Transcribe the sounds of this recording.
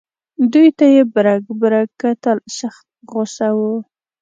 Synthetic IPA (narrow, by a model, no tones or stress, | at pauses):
d̪ujt̪ajebɾaɡbɾakat̪əlʃaxt̪̚ɣʊsawu